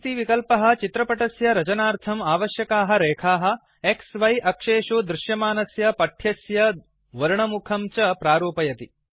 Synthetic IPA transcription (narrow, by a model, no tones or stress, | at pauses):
t̪iʋikɐlpɐɦɐ̆t͡ʃit̪ɾɐpɐʈɐsjɐɾɐt͡ʃɐnaːɾt̪ʰɐmaːʋɐʃjɐkaːɦɐ̆ɾeːkʰaːɦɐ̆ | eksʋɐjʔɐkʂeːʂud̪ɾɪʃjɐmaːnɐsjɐpɐʈʰjɐsjɐ | ʋɐɾɳɐmukʰɐmt͡ʃɐpɾaːɾuːpɐjɐt̪i